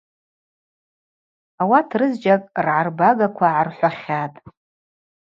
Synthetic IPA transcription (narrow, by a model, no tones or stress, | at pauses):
awatʰrɨzd͡ʒʼakʼrʕarbaɡakʷʰaʕarħʷaχʲatʼ